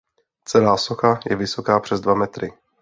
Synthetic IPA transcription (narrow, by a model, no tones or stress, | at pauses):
t͡sɛlaːsoxajɛvɪso̞kaːpr̝̥ɛzdvamɛt̪ɾɪ